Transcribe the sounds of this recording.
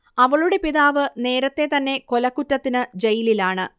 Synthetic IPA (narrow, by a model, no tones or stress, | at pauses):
ɐʋɐɭuɽe̞piðaːʋɨne̞ːɾɐt̪ːe̞t̪ɐnːe̞ko̞lɐkːutːɐt̪ːinɨd͡ʑejililaːɳɨ